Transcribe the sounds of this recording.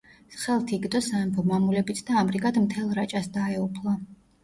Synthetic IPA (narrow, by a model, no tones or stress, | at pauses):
sχɛlˠt̪ʰiɡd̪ɔsaɛmpʰɔmamulɛbit̪ʰd̪aːmɾiɡad̪mt̪ʰɛlˠɾat͡ʃʼasd̪aɛupʰlˠa